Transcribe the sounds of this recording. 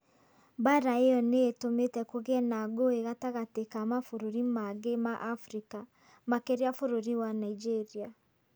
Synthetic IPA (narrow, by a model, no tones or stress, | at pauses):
baɾaeɔneːtometɛkoɣeɛnaɡoeɣataɣatekamafoɾoɾimaɣemaʔafɾika | makeɾjafoɾoɾiwanaid͡ʒeɾia